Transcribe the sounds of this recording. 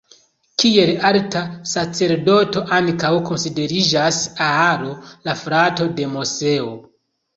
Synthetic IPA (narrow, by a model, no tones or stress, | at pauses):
kie̞laltasat͡se̞ɾdo̞to̞ʔaŋkawko̞nside̞ɾid͡ʒasaaɾo̞lafɾato̞de̞mose̞o